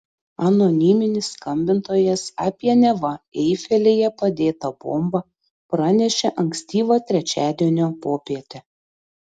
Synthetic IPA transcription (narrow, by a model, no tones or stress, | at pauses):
ɐnɔnʲimʲɪnʲɪsːkɐmʲbʲɪnt̪oːjɛsɑːpʲiɛnʲɛʋɐɛɪfʲɛlʲeːjɛpɐd̪ʲeːt̪ɐbo̰ːmbɐ | pɾɐnʲɛʃʲɛʔɐŋksʲt̪ʲiːʋɑt̪ʲɾʲɛt͡ʃʲæːd̪ʲiɛnʲoːpoːpʲiɛt̪ʲe